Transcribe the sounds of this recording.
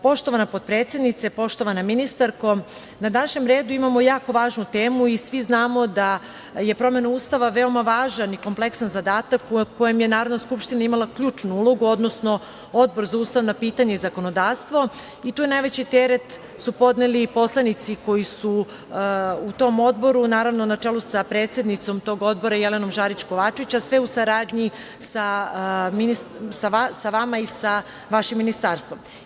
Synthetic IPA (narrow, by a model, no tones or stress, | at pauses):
po̞ʃt̪o̞ʋanapo̞d̪̚pɾeːt̪sje̞d̪nit̪sepo̞ʃt̪o̞ʋanaminist̪aɾko | nad̪anaʃɲemɾeːd̪uimamo̞jaːko̞ʋaːʒnut̪eːmuisʋiznaːmo̞d̪a | je̞pɾo̞me̞nauːst̪aʋaʋe̞o̞maʋaːʒaniko̞mplˠe̞ksanzad̪aːt̪akuko̞jemjenaːɾodnaskupʃt̪inaimalˠakʎuːt͡ʃnuuloɡuo̞d̪nosno̞ | o̞d̪̚bo̞ɾzauːst̪aʋnapiːt̪aɲe̞izako̞no̞d̪aːʋst̪ʋo̞ | it̪uːjenajʋet͡ɕit̪eɾet̪ | supo̞d̪nelipo̞slˠanit̪siko̞jisu | ut̪o̞mo̞d̪̚bo̞ɾunaːɾaʋnonat͡ʂeːlusapɾe̞ːt̪sje̞d̪nit̪so̞mt̪o̞ɡo̞d̪̚bo̞ɾajeleno̞mʒaːɾit͡ɕko̞ʋaːt͡ʃeʋit͡ɕasʋeusaɾaːd̪ɲi | saminissaasaʋamaisa | ʋaʃimːinist̪aːɾst̪ʋo̞m